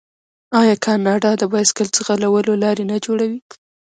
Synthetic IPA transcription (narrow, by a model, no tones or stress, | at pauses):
ɑjɑkʰɑnɑɖɑd̪əbɑskəlt͡səxalawəlolɑɾenad͡ʒoɽawi